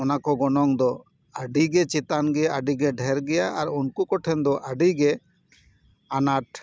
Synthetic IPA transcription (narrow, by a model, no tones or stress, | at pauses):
ɔnakɔɡɔnɔŋd̪ɔ | aɖiɡɛt͡ʃɛt̪anɡɛaɖiɡɛɖʱɛɾɡɛjaʔaɾunkukɔʈʰɛnd̪ɔʔaɖiɡɛ | anaʈ̚